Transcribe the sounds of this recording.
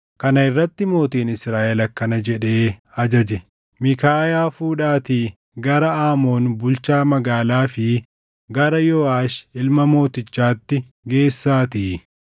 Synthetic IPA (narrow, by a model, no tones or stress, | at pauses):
kɐnɐɪrːɐt̪ːɪmo̞ːt̪iːnɪsɾaːʔɛlɐkːɐnɐd͡ʒɛᶑe̞ːɐd͡ʒɐd͡ʒɛ | mɪkaːjaːfuːᶑaːt̪iː | ɡɐɾɐaːmo̞ːnbʊlt͡ʃaːmɐɡaːlaːfɪ | ɡɐɾɐjɔːaːʃɪlmɐmo̞ːt̪ɪt͡ʃːaːt̪ːɪ | ɡe̞ːsːaːt̪iː